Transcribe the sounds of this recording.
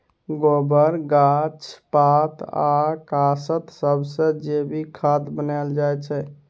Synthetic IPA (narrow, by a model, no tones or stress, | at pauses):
ɡobəɾɡat͡ʃʰpat̪ʰakasət̪səbsə̃d͡ʒebʱikʰad̪bənald͡ʒajt͡ʃʰɛ